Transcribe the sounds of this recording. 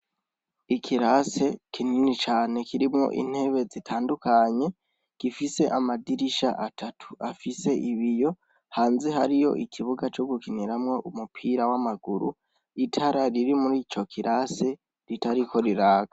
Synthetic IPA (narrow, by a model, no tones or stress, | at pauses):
ikʰiɾase̞kʰininit͡ʃaːne̞kiɾimŋo̞̰ʔḭn̥he̞βe̞zitʰaːndukaɲe̞ | ɡ̥ifise̞ʔamadiɾiʃa̰ʔatʰatʰu̥afise̞ʔiβijo̞ | haːnziɦa̰ɾijo̞̰ʔikʰiβuɡat͡ʃoɡukiniɾamŋo̞ʔumupʰiːɾawamaɡuɾṵ | itʰaɾaɾiɾimuɾiːt͡ʃo̞kʰiɾʔase̞ | ɾitaɾikʰo̞ɾiɾaːɡ̥a